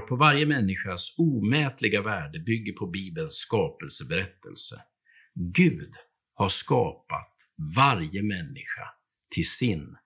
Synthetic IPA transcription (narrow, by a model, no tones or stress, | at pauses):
pʰɔvaɾjəmɛnːɪɧasuːmɛːt̪lɪɡavæːɖəbʏɡːəɾpʰɔbiːbənskɑːpəlsəbɛɾɛt̪ʰːəlsə̰ | ɡʉ̟ːd̪ | haʂkɑːpa̰t̪vaɾjəmɛnːɪɧa̰ | t̪ʰɪlsɪn